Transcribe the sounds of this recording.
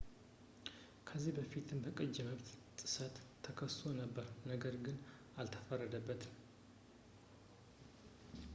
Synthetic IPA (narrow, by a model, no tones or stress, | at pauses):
kʰəzːihbəfit̪ʰɨmbəkʼəd͡ʒːɛməβt̪t̪ʼɨ̥sət̪ʰːəkʰəst̪ʰo̞nəbːəɾnəɡəɾɡɨn | alt̪ʰə̥fərːəd̪əbːət̪ɨ